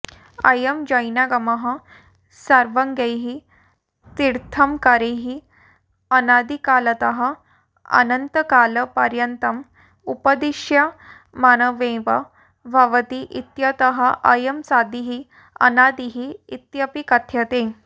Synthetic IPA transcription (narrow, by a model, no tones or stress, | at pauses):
ɐ̰jəmd͡ʑəjnjaɡɐməɦɐ | saɾʋəŋɡejɦi | t̪iɾt̪ʰɐmkaɾeɦi | ɐnad̪ikalət̪əɦɐ | ɐ̰nənt̪əkaləpɐɾjənt̪ɐm | upəd̪iʂja | manəʋẽʋɐ | bʱaʋət̪iʔit̪jət̪əɦaʔɐjəmsad̪iɦi | ɐ̰nad̪iɦiːt̪jəpikɐt̪ʰjət̪ẽ